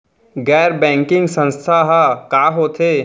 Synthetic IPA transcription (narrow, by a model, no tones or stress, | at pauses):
ɡɛːɾbɛ̃ːŋkɪ̃ŋɡsə̃nst̪ʰaɦakaːɦoːt̪ʰe